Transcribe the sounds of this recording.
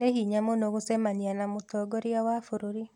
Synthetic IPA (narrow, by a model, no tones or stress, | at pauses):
neɦiːɲamonoɣosɛmanianamotɔːɡoɾiawafoɾoɾi